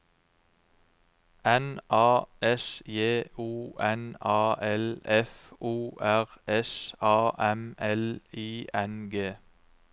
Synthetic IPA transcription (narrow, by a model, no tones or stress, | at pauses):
ɛnʔɑːʔɛsjeːuːʔɛnɑːʔɛlɛfʔuːʔæʁɛsɑːʔɛmɛliːʔɛnɡeː